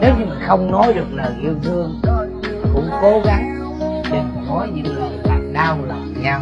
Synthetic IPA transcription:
ne˨˦wt̪ʰi˨˩mi˨˩nxə˧wŋ͡mnɔ˨˦jɗɨ˨˩ə˩k̚nəː˨˩jki˧əwvɨ˧əŋ | vɨ˧əŋ͡mko˨˦ɣa˨˦ŋ˧ | te˧˩m˨˩hɔ˨˦jɲɨ̰˧˥ŋlɨ˨˩əlaː˨˩ŋɗaː˧wlə̰˧˨˩ɲa˧w

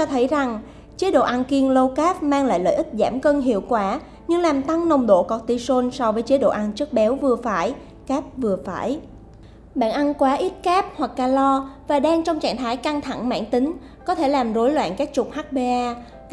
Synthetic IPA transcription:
t͡ɕɔ˧t̪ʰə˨˦jza˨˩ŋ | t͡ɕe˨˦ɗo̰˧˨ʔa˧nki˧əŋlə˧wkaː˦˥p̚maː˧ŋla̰ː˧˨jlə̰ː˧˨ʔï˦˥k̚zaː˧˩mkə˧nɦḭ˧˨əwkwaː˧˩ | ɲɨ˧ŋlaː˨˩mt̪a˧ŋnə˧˩wŋ͡mɗo̰˧˨kɔ˧˩t̚t̪i˧so˧nsɔ˧vəː˨˦jt͡ɕe˨˦ɗo̰˧˨ʔa˧nt͡ɕɨ˦˥ək̚ɓɛ˨˦wvɨ˨˩əfaː˧˩j | kaː˦˥p̚vɨ˨˩əfaː˧˩j | ɓa̰ː˧˨nʔa˧nkwaː˨˦ʔi˦˥t̚kaː˦˥p̚hwa˨˩k̚ːaː˧lɔ˧vaː˨˩ɗaː˧ŋt͡ɕɔ˧wŋ͡mt͡ɕa̰ː˧˨nt̪ʰaː˨˦jka˧ŋt̪ʰa̰˧˩ŋma̰ː˧˩˨nt̪ï˨˦ŋ̟ | kɔ˨˦t̪ʰe˧˩laː˨˩mzo˨˦jlwa̰ː˧˨nkaː˦˥k̚t͡ɕʊ˨˩k͡p̚haː˦˥k̚ɓe˧ʔaː˧

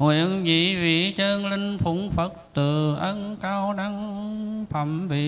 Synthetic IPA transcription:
ŋhwḭ˧˨ənvḭ˧˨vḭ˧˨t͡ɕəː˧nlï˧ŋ̟fu˨˧˦ŋfə˨˦t̚t̪ɨ˨˩ʔə˧nkaː˧wɗa˧ŋfʰə˧˩mvḭ˧˨

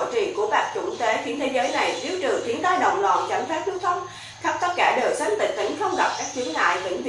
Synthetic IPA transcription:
t͡ɕḭ˧˨nku˧˩əɓaː˨˩k̚t͡ɕʊ̰˧˩nt̪e˨˦xwi˨˧˥ənt̪ʰe˨˦zəː˨˦jna˨˩jt̪i˨˦əwt͡ɕɨ˨˩t̪ʰi˨˦ənt̪aː˧jɗə̰˨˩wŋ͡mlwa̰ː˧˨˩nt͡ɕa˧˩ŋ̟faː˦˥p̚t͡ɕɨ˦˥t̪ʰə˧wŋ͡m | xə˦˥p̚t̪ə˦˥t̚kaː˧˩ɗəː˨˩sa˨˦ŋ̟t̪ï˨˩ŋ̟t̪ḭ˧˩˦ŋ̟xə˧wŋ͡mɣa˨˩p̚kaː˦˥k̚t͡ɕi˨˦ənla̰ː˧˨jvḭ˧˩˥ŋv

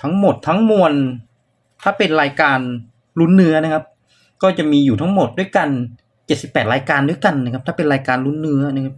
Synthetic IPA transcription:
t̪ʰa˦˥ŋmo˨˩t̪ʰːa˦˥ŋmu˧ən | t̪ʰaː˥˩pe˧nɾaː˧jkaː˧n | lu˦˥nːɯ˦˥ɐna˦˥kʰa˦˥p̚ | kɔː˥˩t͡ɕa˨˩ʔmiː˧juː˨˩t̪ʰa˦˥ŋmo˨˩t̪̚du˥˩əjka˧n | t͡ɕe˨˩t̪̚si˨˩pːɛː˨˩t̪̚ɾaː˧jkaː˧ndu˥˩jka˧nːa˧˥˩kʰa˦˥p̪̚ʰaː˥˩pe˧nɾaː˧jkaː˧nɾu˦˥nːɯ˦˥ɐna˦˥˩kʰa˦˥p̚

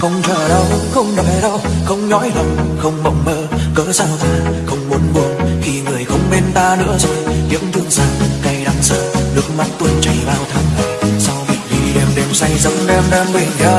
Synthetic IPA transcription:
xə˧wŋ͡mt͡ɕə̰ː˧˩ɗə˧˩wxə˧wŋ͡mɗɔ˨˩jɗə˧wxə˧wŋ͡mɲɔ̰˧˨˥jlə˨˩ŋ͡mxə˧wŋ͡mmə̰˧˨wŋ͡mmə̰ː˧˨kəː˨˦zaː˧wt̪ʰaː˧xə˧wŋ͡mmu˨˦ənɓu˧˩əŋxi˧ŋɨ˨˩əjxə˧wŋ͡mme˧nt̪aː˧nɨ̰˧˥əzo˧jɲɨ̰˧˥ŋt̪ʰɨ˧əŋsa̰ː˧˩nka˧jɗa˨˦ŋsə̰ː˧˩nɨ̰˨˦˥ək̚ma̰˧˦˥t̚t̪wə˨˧˩nt͡ɕə˧˩jvaː˧wt̪ʰa˧˩ŋ˨˩sa˧wvi˨˩ət̚vi˧˩ɗɛ˧mɗɛ˨˩wsa˧jzə˨˦wŋ͡mɗɛ˧mɗɛ˧mvi˧˩nka˧

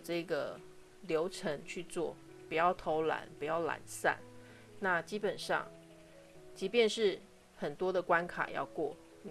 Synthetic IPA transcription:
ʈ͡ʂɤ˥˩ɡə˩ | ljo˧˥ʊʈ͡ʂʰə˧˥ŋt͡ɕʰy˥˧t͡swɔ˥˩ | pu˨˩jɑ˥˩ʊt̪ʰo˧˥ʊla̰˨˧˥npu˨˩jɑ˥˩ʊla̰˨˩nsa̰˥˩n | na˥˨t͡ɕi˥pə˨˩nʂɑ̰˥˧ŋ | t͡ɕi˧˥pjɛ˥˧nʂɻ̩˥˩ | xə˨˩nt̪wɔ˥d̪ə˨kwa˦˥nkʰa̰˨˩jɑ̰˥˧ʊkwɔ˥˩

